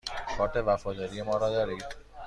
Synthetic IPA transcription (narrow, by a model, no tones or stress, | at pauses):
kʰɔːʈ̪eʋæfɔːd̪ɒːɾijemɔːɾɔːd̪ɒːɾiːd̪